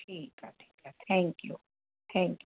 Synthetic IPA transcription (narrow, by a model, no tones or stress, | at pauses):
ikat̪ʰɛ̥kat̪ʰɛŋkjṵ | t̪ʰɛ̃ŋk